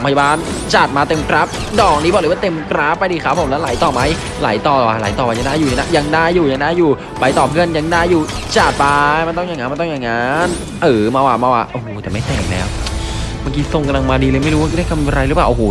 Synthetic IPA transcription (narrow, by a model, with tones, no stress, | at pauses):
mpʰja˧baː˧˩n | t͡ɕaː˨˩t̪̚maː˧t̪e˧mkɾaː˦˥k̚ | dɔː˨˩k̚niː˦˥ɔ˨˩lɤː˧˦wa˥˩t̪e˧mkɾaː˦˥pa˧jdiː˧˩kʰa˦˥pʰo˨˦mlɛː˦˥wlaː˨˩˦jt̪ɔː˨˩ma˦˥j | la̰ː˩˦jt̪ɔː˨˩lːwa˧˩laː˨˦jt̪ɔː˨˩pa˧ja˧ŋdaː˥˩juː˨˩a˧na˦˧˥ja˧ŋdaː˥˩jːuː˨˩ja˧ŋdaː˥˩jːuː˨˩ | pa˧jt̪ɔː˨˩pʰɯ˥˩ənja˧ŋdaː˥˩jːuː˨˩ | t͡ɕaː˨˩t̪̚pa˧ma˧nt̪ɔ˥˩ŋjaː˨˩ŋaː˧˦ma˧nt̪ɔ˥˩jaː˨˩ŋaː˧˥n | ʔɤː˨˩˦maː˧waː˧˩maː˧waː˧˩ʔo˧˩hoː˨˧˦t̪ɛː˨˩ma˥˩jt̪ɛ˨˩ŋ˨˩lɛː˨˦˥wmaː˧ŋkiː˧so˨ŋka˧la˧ŋmaː˧diː˧lɤː˧jma˥˩ɾu˦waː˧˩˧ɾa˥˩kʰa˧m˧ɾa˧jɾɯ˦˥paː˨˩ʔo˧oː˧˦